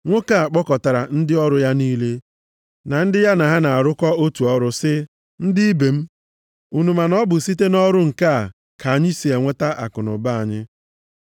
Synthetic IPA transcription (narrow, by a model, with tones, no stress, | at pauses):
ŋʷo˦ka˦a˨k͡pɔ˦kɔ˨ta˨ɾa̰˨n̩˦dɪ˦ɔ˦ɾʊ˨˦ja˦niː˦le˦ | na˨n̩˦dɪ˦ja˦na˨ɦa˦na˨a˨ɾʊ˦kɔ˦o˦tu˨ɔ˦ɾʊ˦sɪ˦ | n̩˦dɪ˦i˦be˨m̩˦ | u˨nu˨ma˨nɔ˦bʊ˨si˦te˦nɔ˦ɾʊ˦ŋ̩˨ka˦a˨ | kʰa˨a˨ɲɪ˦si˨e˨ŋʷe˦ta˦ʔa˨kʊ˨nʊ̰˨ba˦a˨ɲɪ˦